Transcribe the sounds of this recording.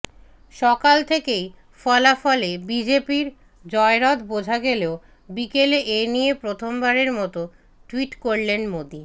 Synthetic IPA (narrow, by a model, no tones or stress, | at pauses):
ʃɔkalt̪ʰekej | fɔlafɔlebid͡ʑepiɾ | d͡ʑɔeɾɔd̪bod͡ʑʱaɡeleo | bikeleʔenijepɾot̪ʰombaɾeɾmɔt̪o | ʈuwiʈkoɾlenmod̪i